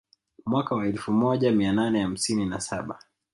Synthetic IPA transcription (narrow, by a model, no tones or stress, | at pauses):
mwakawaɛlfumɔʄamiananɛham̩sininasaɓa